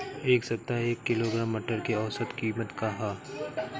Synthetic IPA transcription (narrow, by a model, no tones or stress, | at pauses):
eːksɐt̪ːaeːkːɪloɡɾaːmːɐʈəɾkeɔːsət̪kiːmət̪kaɦaː